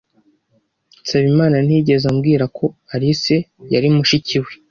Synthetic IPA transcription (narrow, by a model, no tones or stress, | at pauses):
saβimaːnan̥iɟe̞zamɡiːɾakʰo̞aɾise̞jaɾimuʃiciwe